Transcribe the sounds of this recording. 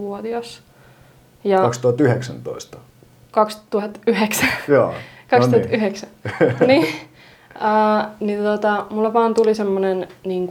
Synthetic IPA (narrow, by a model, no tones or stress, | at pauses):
ʋuot̪iɑs | jɑɑkst̪uɑt̪yheksæ̰nt̪o̰ist̪ɑ̥ | kɑkst̪uhɑt̪yheksæjo̰ːkɑkst̪uɑt̪yheksænni | əːnint̪ot̪ɑmulːɑʋɑːnt̪ulisemːonenniːŋk